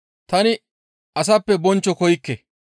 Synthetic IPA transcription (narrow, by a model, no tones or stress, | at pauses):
t̪ɐnɪ | ɐs̬ɐpːɛbɔnt͡ʃːɔkɔjkːɛ